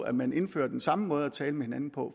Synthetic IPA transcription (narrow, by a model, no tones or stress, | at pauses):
æmæne̝nfø̰ːɐd̥ensɑ̈məmɔ̽ːð̞ˠæt͡sʰɛːləmehe̝næn̩pʰɒ̽